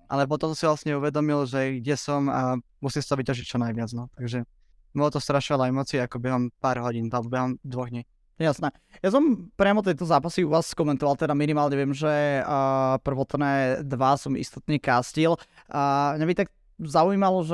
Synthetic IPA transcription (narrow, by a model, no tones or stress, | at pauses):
ʔa̰lɛp̬ɔt̪ɔmsiʋlasɲɛuʋɛd̪ɔmilʒɛɡɟɛsɔm | musimst̪ɔʋicaʒic̚t͡ʃɔnajʋɪad͡znɔt̪aɡʒɛ | mɔɔt̪ɔst̪ɾaʃiʋalajmɔt͡siakɔbɛɦɔmpaːɾɦɔɟiːnalbɔbɛɦɔmd̪ʋɔɣdɲɛ | ɛjasnɛː | jasɔmpɾɪamɔt̪̬ɛjt̪ɔzaːpasiuʋaːsːkɔmɛnt̪ɔʋalˠt̪ɛd̪aminimaːlɲɛʋɪɛmʒɛ | pr̩ʋɔt̪nɛːd̪ʋasɔmḭst̪ɔt̪ɲɛkaːscilː | mɲabit̪aɡ | zauiːmalɔʒɛ